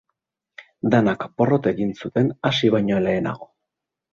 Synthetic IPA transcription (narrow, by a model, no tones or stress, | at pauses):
d̪anakpo̞ro̞t̪e̞ɣinsut̪e̞nasiβajɲo̞le̞ːna̰ɣ̞o̞